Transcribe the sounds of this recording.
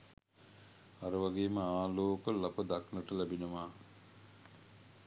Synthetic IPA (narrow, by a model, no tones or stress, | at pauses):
aɾəʋaɡeːməaːloːkəlapəd̪aknəʈəlæbinəʋaː